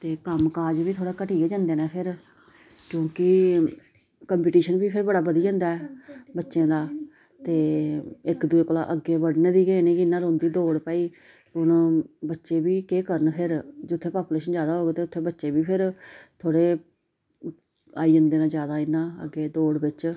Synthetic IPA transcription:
t̪eːkəmkaːd͡ʒʋiːt̪ʰoːɽeːkəʈiːɡeːd͡ʒãːnd̪eːnɛːpʰɪɾ | kjõːkɪ | kəmpiːʈiːʃənbiːpʰɪɾbəɽaːbəd̪iːãːnd̪aːɛbətːʃẽːd̪aː | t̪eːɪkd̪ueːkoːla̰ːʔəɡeːbəɽnẽːd̪iːɡeːnẽːkɪɪnːãːɾõːnd̪iːd̪oːɽpaːiː | ʊnbətːʃeːbiːkeːkəɾənpʰɪɾd͡ʒʊt̪ʰːeːpaːpuːleːʃənd͡ʒjaːd̪aːɦoːɡeːt̪eːʊt̪ʰːeːbətːʃeːbiːpʰɪɾt̪ʰoːɽeː | a̰ːiːd͡ʒə̃nd̪eːnãːd͡ʒjaːd̪aːɪnːãːə̰ɡːeːd̪oːɽbɪt͡ʃ

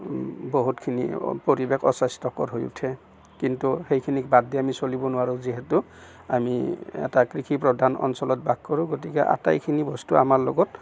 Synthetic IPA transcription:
boɦutkʰinḭpɔɹibekʰɔ̰sastɔkɔɹɦojṵtʰɛ | kintuxejkʰinik̚badʱiamisolibɔnʊwaɹuziɦetu | amiɛ̰takɹikʰipɹɔdʱanɔ̰nsɔlɔt̚bʱaɡ̚kɔɹũɡotikɛʔa̰ta̰jkʰinibɔstuamaɹlo̰ɡɔt

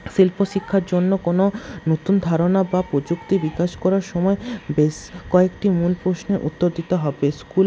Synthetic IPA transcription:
ʃilpoʃikʰːaɾd͡ʑonːokononot̪und̪ʱaɾonabapɾod͡ʑukt̪ibikaʃkɔɾaɾʃɔmɔebeʃkɔekʈimulpɾosneʔut̪ːoɾd̪it̪oɦɔbeskul

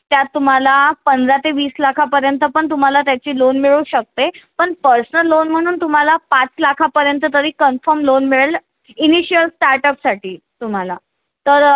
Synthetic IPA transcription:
t̪jat̪ːum̤alapənd͡zat̪eʋiːslakʰapəɾjənt̪əpəɳt̪um̤alat̪jat͡ɕiːlonmiɭuuɕək̚t̪epəɳpəɾsənəlːonm̤əɽ̃uːnt̪um̤alapãt͡slakʰapəɾjənt̪ət̪əɾiːkənfəɾmlonmiɭəl | iniɕijəlsʈaɾʈəpsaʈʰiː | t̪um̤ala | t̪əɾ

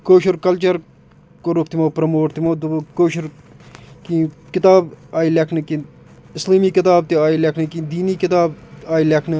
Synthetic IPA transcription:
koːʃuɾkɐlt͡ʃɐɾ | koɾuk̚t̪imoːpɾɐmoːʈt̪imoːd̪ukoːʃuɾ | kikɪt̪aːbaːilɐkʰnɨki | ɪsliːmiːkɪt̪aːb̚t̪iaːilʲɐkʰnɨkid̪iːniːkɪt̪aːbaːilʲɐkʰnɨ

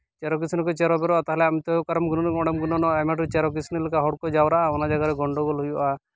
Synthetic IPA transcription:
t͡ʃeɾɔk̬isʰinɔkɔt͡ʃeɾɔbɛɾɔat̪aɦɛlɛamt̪ɔkaɾɔmɡunɔnɔɽɛmɡunɔnɔɛmaʈ̬ut͡ʃeɾɔk̬isʰnɔlukaɦɔɽkɔd͡ʒawɾaʔaɔnad͡ʒaɡaɾɛɡɔɳɖɔɡɔlɦujɔʔa

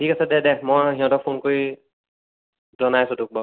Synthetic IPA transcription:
tʰikasadɛdɛmɔjɦiɔ̃tɔpʰonkoɹi | zɔnajasʊ̃dʊk̚bɔ

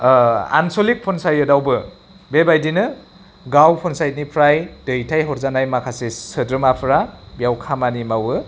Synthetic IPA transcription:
a̰nsolik̚pʰɔnsajɯdawbɯ | bebajdinɯ | ɡawpʰɔnsajt̚nipʰɾajd̥ɯjtʰajɦɔɾzanajmakʰasesɯdɾɯmapʰɯɾabijawkʰamanimawɯ

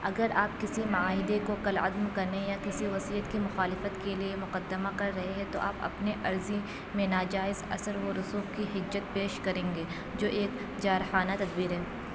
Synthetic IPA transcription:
ɐɡəɾaːp̚kɪsimɐaːɦɪd̪ekokɐlɐ̰d̪mkɐɾnejakɪsiʋɐsijət̪kimʊxaːlɪfət̪keliemʊqɐd̪ːəmakɐɾːɐɦeɦɛ̃t̪o̰ʔa̰ːpɐ̰pneʔɐɾzi | mẽnaːd͡ʒaːɪzɐ̰səɾʋoɾʊsuːkiɦɪd͡ʒːət̪̚peːʃkɐɾẽːŋɡeː | d͡ʒoːʔeːk | d͡ʒaːɾxaːnat̪ɐd̪̚biːɾɦɛː

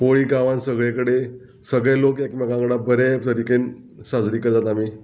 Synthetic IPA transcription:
poɭiːɡaʋãnsəɡɭekəɽe | səɡɭɛlokekmaɡãŋɡɽabəɾet̪əɾiken | sad͡zɾiːkəɾt̪at̪ami

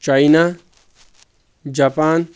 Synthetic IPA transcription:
t͡ʃaina | d͡ʒaːpaːn

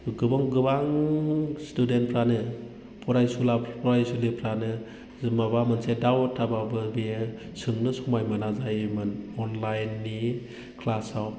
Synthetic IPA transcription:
ɡɯbaŋɡɯbaŋ | studentpʰɾanɯ | pʰɔɾajsulapʰɔɾajsulipʰɾanɯ | mabamɯnsedawtʰːababɯbij | sɯŋnɯsɔmajmɯnazajmɯnɔnlajnːi | kʰlasaw

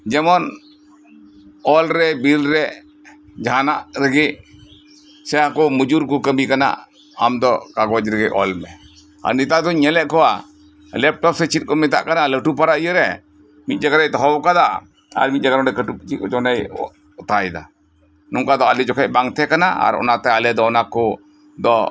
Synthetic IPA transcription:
d͡ʒɛmɔn | ɔlɾɛbilɾɛ | d͡ʒanaʔɾəɡi | sɛãkɔmud͡ʒuɾkukəmikana̰ʔ | a̰md̪ɔkaɡɔd͡ʒɾəɡiʔɔ̰lmɛ | a̰ɾnit̪ad̪ɔɲɛlɛʔkɔwa | lɛp̚ʈɔp̚sɛt͡ʃit̪̚kɔmɪt̪̬a̰ʔkanaləʈupaɾajəɾɛ | mit̪̚ˀd͡ʒəɡɾajt̪ɔɦɔwkad̪a | a̰ɾmiˀd͡ʒəɡaɾɔɛkəʈup̚t͡ʃit̪̚kɔd͡ʒɔnaj | ɔt̪ajd̪a̰ | nɔŋkad̪ɔalid͡ʒɔkʰɛʔbaŋt̪ʰɛkanaa̰ɾɔ̰nat̪ɛəlɛd̪ɔɔnakɔ | d̪ɔ

